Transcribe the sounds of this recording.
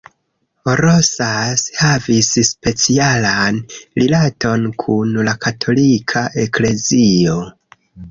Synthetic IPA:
oɾosashavisspe̞t͡sialanɾilato̞nkʰunlakʰatʰo̞likʰaʔe̞kle̞zio̞

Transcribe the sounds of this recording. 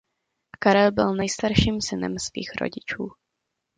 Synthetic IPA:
kaɾɛlbɪlnɛjst̪aɾʃiːmsɪnɛ̰msvḭːxɾo̰ɟɪt͡ʃuː

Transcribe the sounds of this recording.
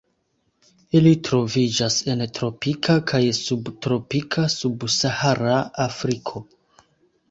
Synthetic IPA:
ilitɾo̞vid͡ʒase̞ntɾo̞pikʰakʰajsubtɾo̞pikʰasubsahaɾaːfɾikʰo̞

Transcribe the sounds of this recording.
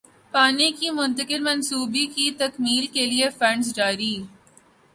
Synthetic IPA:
paːnikimʊ̃nt̪əkɪlmɐnsuːbikit̪ɐkmiːlkeliefɐ̃ɳɖsd͡ʒaːɾiː

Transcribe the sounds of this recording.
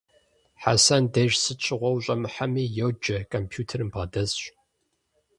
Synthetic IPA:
ħa̰sɐndɐʒsɨt͡ʃʷʰɪʁʷɔwɕʼɐmɨħamiːjowd͡ʒɐkʰʼɐmpʰjuːtʰɐrɨmbʁɐdɐzɕ

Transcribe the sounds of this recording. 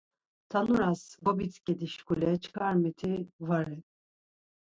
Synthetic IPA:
t̪ʰanuɾasɡɔbit͡sʰkʼɛd̪iʃkʰulɛt͡ʃʰkʰaɾmɛt̪ʰivaɾɛ

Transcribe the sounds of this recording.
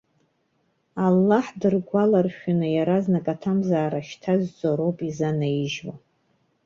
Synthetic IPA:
alːaħdɨrɡʷalarʃᶣunɨjaɾaznakʼatʰamzaːɾaʃtʰazʷt͡sʼaɾowpʼizanaiʒwa

